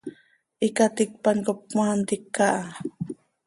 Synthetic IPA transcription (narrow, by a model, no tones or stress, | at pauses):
ikat̪ɪk̚pankop̚mant̪ikːaʔa